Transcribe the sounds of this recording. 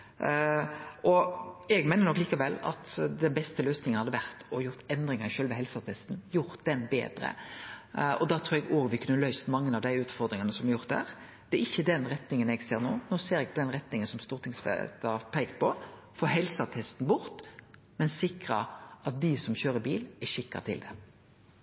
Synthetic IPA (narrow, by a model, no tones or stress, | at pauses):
ʔɔɛɡmæɪnənɔkliːkɑʋɛlːɑ̰t̪d̪ɛnbɛst̪əløːsnɪŋənhɑd̪ːəʋæɾt̪ɔjʊɾt̪ɛnd̪ɾɪŋɑʃøːlʋɛɦɛlsɑt̪ʰɛst̪n̩jʊɾt̪d̪̥ɛnbḛːd̪ɾə̰ | ɔd̪ɑːt̪ʰɾuːɛɡoːɡʋɪkʰʉnːəlœʏst̪mɑŋːənɑʋd̪æɪʉːt̪fɔɾd̪ɾɪŋɑnəsɔmjʊɾt̪d̪æ̰ɾ | d̪̥ɛæɾɪçːəd̪ɛnɾɛt̪nɪŋənɛɡseːɾnoːnoːseːɾɛɡ̚pʰɔd̪ɛnɾɛt̪nɪŋənsɔmst̪uːɾt̪ʰɪŋsfɛ̰t̪əpʰɛɪkt̪̚pʰɔ | foːɦɛlsɑt̪ʰɛst̪n̩bʊɾt̪ | mɛnsɪkɾɑ̰ɑt̪̚d̪ɪsɔmçøːɾəbḭːlæʂɪkːɑ̰t̪ʰɪ̰ld̪ɛ̰